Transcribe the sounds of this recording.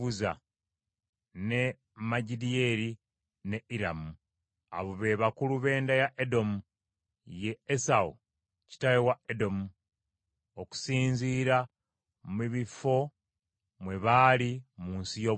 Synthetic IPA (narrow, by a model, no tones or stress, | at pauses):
uza̰ | ne̞ | maɟidie̞ɾi | ne̞iɾamu | a̰βoβe̞βakuluβe̞ːndajaʔedo̞mu | je̞ːsaṵ | ci̥tajewaedo̞mu | oku̥siːnziːɾa | miβifo̞ | mwe̞βaːlimuːnsijo̞